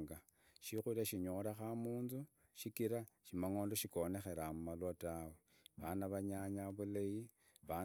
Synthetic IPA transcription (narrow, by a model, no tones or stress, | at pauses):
ŋɡa | ʃixuɾaʃiɲo̞ɾaxamuːnzu | ʃikiɾa | ʃimaŋo̞ːndoʃiko̞ne̞xe̞ɾamumalwatawe | βanaβaɲaɲaβuleji | βa